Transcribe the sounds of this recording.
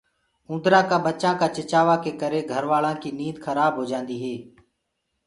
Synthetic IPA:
ũːnd̪ɾãːkaːbətːʃãːkaːt͡ʃɪt͡ʃaːʋãːkeːkəɾeːɡʱəɾʋaːlãːkiːnĩːd̪xʰəɾaːbʱɦoːd͡ʒãːnd̪iːɦeː

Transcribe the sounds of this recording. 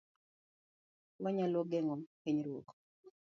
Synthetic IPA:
waɲalɔɡɛŋɔkeɲɾwok

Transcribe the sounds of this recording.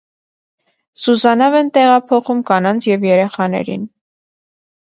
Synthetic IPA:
suzɑnɑvɛnt̪ɛʁɑpʰɔχumkɑnɑnt͡sʰjɛvjɛɾɛχɑnɛ̰ɾḭn

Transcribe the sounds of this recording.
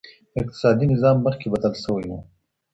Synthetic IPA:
ɪq̚t̪ɪ̥sɑːd̪inɪzɑːmːəχkebɐd̪əlsəwijṵ

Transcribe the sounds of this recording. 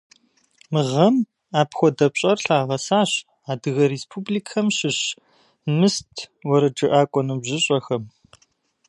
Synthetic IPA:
mɨʁɐm | aːpxʷɔdɐpɕʼɐrɬaːʁɐsaːɕ | aːdɨɣɐɾeːspʰublikʰɐmɕɪɕ | mɨstʰwɔɾɐʈ͡ʂʼɨʔaːkʷʼɔnɨbʑɪɕʼɐxɐm

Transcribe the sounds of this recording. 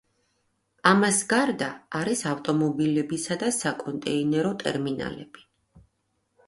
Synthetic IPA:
amasɡaɾd̪aːɾisaft̪ʼɔmɔbilɛbisad̪asakʼɔnt̪ʼɛinɛɾɔt̪ʼɛ̰ɾmina̰lɛb̥i̥

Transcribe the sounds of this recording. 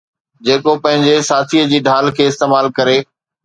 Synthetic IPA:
d͡ʑeːkopɐ̃ɦɪ̃ɲd͡ʑesaːt̪ʰiːəd͡ʑiːɖʱaːlkʰeːɪst̪eːmaːlkɐɾeː

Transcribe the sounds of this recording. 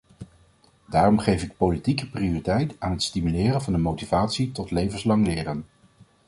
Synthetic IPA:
daːrɔmχejvɪk̚powlitikəprioritɛjtaːnɦətstimylɪːrənvɑndəmowtivaːtsitɔtlejvənslɑŋlɪːrən

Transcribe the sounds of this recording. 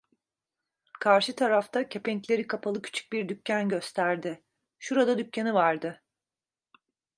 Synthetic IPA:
kʰaɾʃɯt̪ʰaɾaft̪ʰacʰe̞pʰɛɲclʲe̞ɾikʰapʰalˠɯcʰy̥t͡ʃʰy̥c̚biɾd̪ycːænɟø̞st̪ʰæɾd̪ɪ | ʃuɾad̪ad̪ycʰːanivaɾd̪ɯ

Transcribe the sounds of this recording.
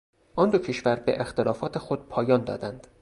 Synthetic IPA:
ʔɒnd̪ocʰeʃvæɾbḛʔext̪elɒːfɒːt̪ʰexo̞d̪̥̚pʰɒːjɒːnd̪ɒ̰ːd̪ænd̪̥

